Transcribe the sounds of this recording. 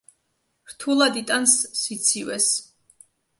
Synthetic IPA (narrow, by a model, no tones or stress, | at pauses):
ɾt̪ʰulˠad̪it̪ʼansːit̪sʰivɛs